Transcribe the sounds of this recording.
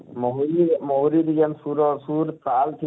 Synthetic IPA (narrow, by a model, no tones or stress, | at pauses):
mɔɦuimɔɦuɾid̪iɡɛnsuɾɔsuɾpalt̪ʰi